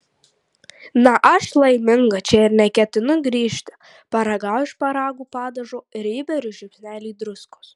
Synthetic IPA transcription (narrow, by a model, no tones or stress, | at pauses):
nɐʔɐʃlˠɐɪmʲɪŋɡɐt͡ʃʲɛɪɾnʲɛkʲɛt̪ʲɪnʊɡɾʲiːʃʲt̪ʲɪ̥ | pɐɾɐɡɑʊɪʃpɐɾɑːɡuːpɑːd̪ɐʒoːɪɾɪːbʲɛɾʲʊʒʲʊpʲsʲnʲæːlʲiːd̪ɾʊskʊ̥s